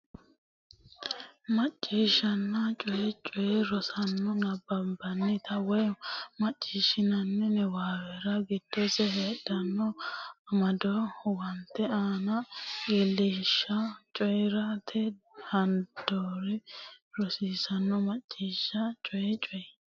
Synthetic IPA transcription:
mɐt͡ʃʼːiːʃɐnːɐt͡ʃʼɔjɛt͡ʃʼɔjɛɾɔsɐnːɔnɐbɐmbɐnːɪt̪ɐwɔjmɐt͡ʃʼːiːʃɪnɐnːɛnɛwaːwɛɾɐɡɪd̪̥ːɔsɛheːdɐnːɔɐmɐd̪ɔwɐnt̪ːɛaːnɐɡilːɪʃːɐt͡ʃʼɔjɾɐt̪ʰɛhɐnd̪̥oɾɛɾɔsiːsɐnːɔmɐt͡ʃʼːiːʃːɐt͡ʃʼɔjɛt͡ʃʼɔjɛ

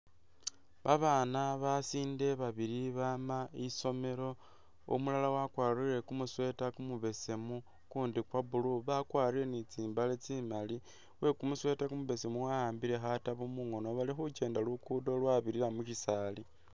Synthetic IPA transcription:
βaβanaβasiːnde̞βaβiɾiβamaiso̞me̞ɾo̞ | o̰mulalawakwaːriɾe̞kumuswe̞takumuβe̞se̞mu | kuːndikwaβuluβakwaːɾile̞nit͡siːmbalet͡simali | we̞kumuswe̞takumuβe̞se̞muwajaːmbiɾe̞xataβumuŋo̞no̞βalixut͡ʃe̞ːndalukudo̞lwaβiɾilamucisali

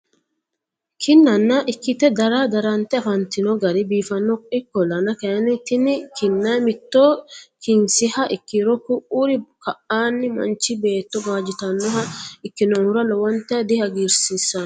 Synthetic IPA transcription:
kʰɪnːɐnːɐʔɪkːɪt̪ɛd̪ɐɾad̪ɐɾɐnt̪ɛɐfɐnt̪ɪnɔɡɐɾɪbiːfɐnːɔɪkːɔlɐnɐkɛɐnɪt̪ɪnɪkɪnːɐmɪt̪ːokɪnsɪhɐʔɪkːɪɾɔkʊʔuɾɪkɐʔaːnːɪmɐ̰nt͡ʃːɪbe̞ːt̪ːɔbaːd͡ʒɪt̪ɐnːɔɦɐɪkːɪnɔnʊɾɐlɔwɐnt̪ːɛd̪ɪhɐɡiːɾsisːɐn

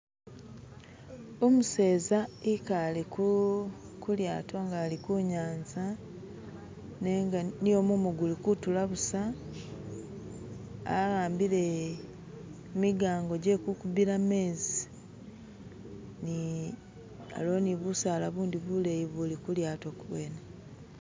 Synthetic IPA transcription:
omuse̞ːzaikaleku | kuljaːtʰo̞ŋɡaːlikuɲaːnza | neŋɡanijo̞mumuɡulikutulaβusa | ɣaːmbile | miɡaːŋɡo̞ɟekukubiɾame̞ːzi | ni | a̰lo̞niβusaːlaβuːndiβulejiβulikuljaːto̞kuβweːne

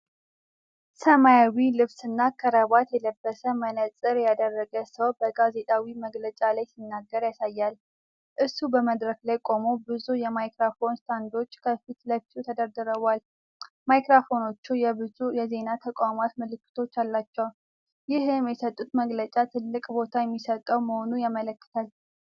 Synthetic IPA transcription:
səmajawilɨβsɨnːakʰəɾəβat̪jɛləbːəsəmənəsʼɨɾjad̪ərːəɡəsəwbəɡaze̞t̪ʼawiməɡlət͡ʃʼalajsinːaɡːəɾjasajːal | ʔɨsubəməd̪ɾəklajkʼo̞mobɨzujɛmajkɾafo̞nst̪ʰand̪o̞t͡ʃːkʰəfit̪ləfi̥t̪ʰut̪ʰəd̪əɾd̪ɨɾəβal | majkɾafo̞no̞t͡ʃːujɛbɨzujɛze̞nat̪ʰəkʷʼamat̪məlɨkːɨ̥t̪ʰo̞t͡ʃːalːat͡ʃːɛw | jɪhɨmjɛsət̪ʼːut̪məɡlət͡ʃʼat̪ʰɨlːɨkʼbo̞t̪ʰajɛmːisət̪ʼəwməho̞nujamələkːɨ̥t̪ʰal

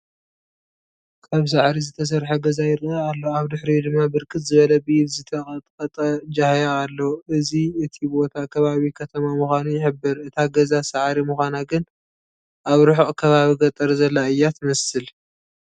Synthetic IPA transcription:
kʰaβs̬aʕɾizɨt̪ʰɐs̬ɐɾħɐɡɐzajɪɾɨalːoaβd̪ɨħɾid̪ɨmːabɨɾkʰɨt̪zɨβɐlɐbijβzɨt̪ʰɐχʼɐt̪ʼqʼɐt̪ʼɐd͡ʒahjaːlːoʔɨziɨt̪ʰibo̞t̪ʰakʰɐβaβikʰɐt̪ʰɐmamuxʷanujɪħɨbːɨɾɨt̪ʰaɡɐzasaʕɾimɨxʷanaɡɨn | ʔaβɾʊħʔʼkʰɐβaβiɡɐt̪ʼɐɾzɐlːaɨjːat̪ʰmɐsɨl

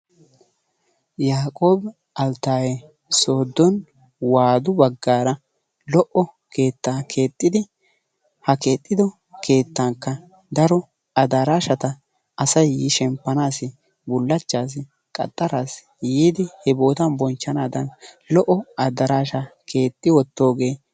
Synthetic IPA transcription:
jaːkʼo̞ːb | ɐlt̪aːje | so̞ːd̪ːɔn | waːd̪ʊbɐɡːaːɾɐ | lɔʔɔ | ke̞ːt̪ːaːkʰe̞ːt̪ʼːɪd̪ɪ | hɐke̞ːt̪ʼːɪd̪ɔ | kʰe̞ːt̪ːaŋkːɐ | d̪ɐɾɔ | ɐd̪ɐɾaːʃɐt̪ɐ | ɐsɐjiʃɛmpːɐnaːsɪ | bʊlːɐt͡ʃːaːs̬ɪ | kʼɐ̰t̪ʼːɐɾaːs | jiːd̪ɪhɛbo̞ːt̪ɐnbɔnt͡ʃːɐnaːd̪ɐn | lɔʔɔɐd̪ɐɾaːʃakʰe̞ːt̪ʼːɪwɔt̪ːo̞ːɡe̞ː

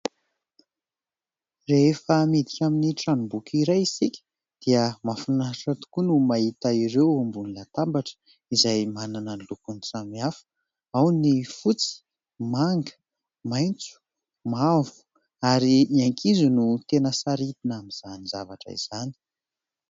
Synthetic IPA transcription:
reefəmid̪ikʲaminiʈ͡ʂanubukiɾajisikʲə̥ | d̪̥iəmafunaʈ͡ʂat̪u̥kunumait̪aiɾewumbunilat̪ambaʈ͡ʂə̥ | izajmananənlukunt͡samiafə̥ | awnifut͡si̥ | maŋɡə̥ | majnt͡su̥ | mavu̥ | aɾiiaŋkʰizunut̪enəsaɾit̪inamiz̥anizavaʈ͡ʂə̰ḭz̥ani̥

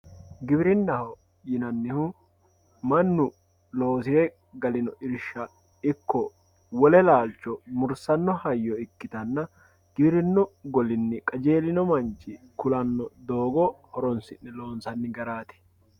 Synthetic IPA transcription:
ɡɪbɪɾɪnːɐhɔ | jɪnɐnːɪhʊ | mɐnːʊ | loːsɪɾɛ | ɡɐlɪnɔʔɪɾʃːɐ | ɪkːɔ | wɔlɛlaːlt͡ʃːɔmʊɾsɐnːɔhɐjːɔɪkːɪt̪ɐnːɐ | ɡ̥ɪbɪɾɪnːɔɡɔlɪnːɪkʼɐd͡ʒe̞ːlɪnɔmɐnt͡ʃːɪkʊlɐnːɔd̪o̞ːɡɔhɔɾɔnsɪnːɛlo̞ːnsɐnːɪɡɐɾaːt̪ɛ̥

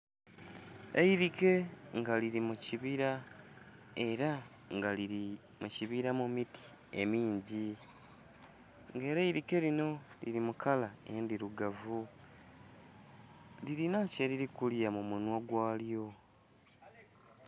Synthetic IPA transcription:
eiɾike̞ŋɡaliɾimuciβiɾa | e̞ɾa | ŋɡaii | muciβiɾamumiti̥ | e̞̰miːɲɟi | ŋɡe̞ːɾeiɾike̞lino̞ | lḭɾimukʰalaḛndiɾuɡavu | liɾinaceɾiɾikuljamumunwaɡwaːljo̞

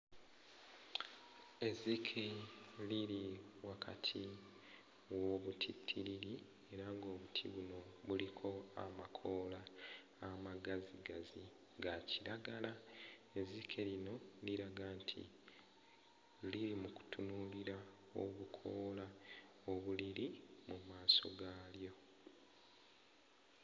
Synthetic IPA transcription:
e̞zikʰeliɾiwakʰa̰tʰi | woβutʰitʰːiɾiɾi | e̞ɾaŋɡo̞ːβutʰḭβuno̞βulikʰo̞a̰makʰo̞laː | maɡaziɡazi | ɡaciɾaɡalae̞zikʰe̞lino̞liɾaɡaːntʰḭ | liɾimuku̥tunuliɾa | o̞̰βukʰo̞ːla | oβuliɾimumaːso̞̰ɡaːljo̞

